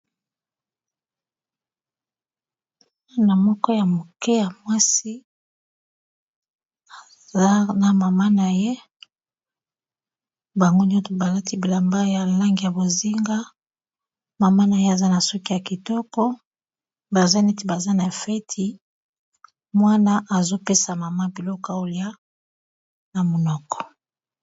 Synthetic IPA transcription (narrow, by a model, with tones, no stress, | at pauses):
na˨mɔ˦kɔ˦ja˨mo˨kɛ˦ja˨mwa˦si˦ | a˨ | za˦na˨ma˨ma˦na˨je˦ | ba˨ŋɡo˦n˦o˦to˨ba˨la˦ti˦bi˨la˨mba˦ja˨la˦ŋɡi˨ja˨bo˨zi˦ŋɡa˦ | ma˨ma˦na˨je˦a˨za˦na˨sɔ˦ki˦ja˨ki˨tɔ˦kɔ˦ | ba˨za˦ne˦ti˨ba˨za˦na˨fɛ˦tʰi˨ | mwa˦na˦ʔa˨zo˦pe˦sa˨ma˨ma˦bi˨lɔ˦ka˨o˨li˦a˦ | na˨mo˨nɔ˦kɔ̥˨